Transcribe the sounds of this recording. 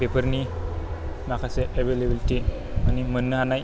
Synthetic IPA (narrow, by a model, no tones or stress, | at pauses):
bepəɾni | nakʰaseʔeʋelebilʈi | animənːəɦanaj